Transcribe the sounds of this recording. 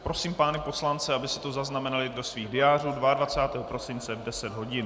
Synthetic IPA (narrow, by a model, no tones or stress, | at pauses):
pɾo̞siːmpaːnɛpo̞slant͡sɛabɪsɛ̥t̪ozaznamɛnalɪdosviːɣdɪjaːr̝uːdvaadvat͡saːt̪ɛːɦopɾo̞sɪnt͡sɛvdɛsɛd̪ɦo̞ɟɪn